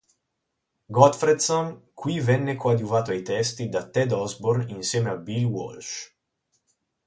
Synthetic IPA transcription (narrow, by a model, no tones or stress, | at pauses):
ɡɔt̪fɾed̪sonkʰwivɛnːekwad̪juvaːt̪oajt̪ɛst̪id̪at̪ːɛd̪ɔzborninsjɛːmeabːilwɔ̰lt͡ʃ